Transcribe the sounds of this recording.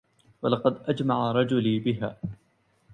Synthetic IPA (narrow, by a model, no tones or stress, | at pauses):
walɑqɑd̪ʔad͡ʒmaʕaɾˤɑd͡ʒʊliːbɪɦaː